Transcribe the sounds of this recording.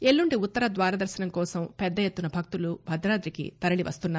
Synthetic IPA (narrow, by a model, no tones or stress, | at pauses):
eɭːuɳɖiut̪ːɐɾɐd̪ʋaːɾɐd̪ɐɾsɐnɐmkɔːsɐmpɛd̪ːɐjet̪ːunɐbʱɐk̚t̪ulubʱɐd̪ɾaːd̪ɾikḭt̪ɐɾɐɭiʋɐ̰st̪unːaː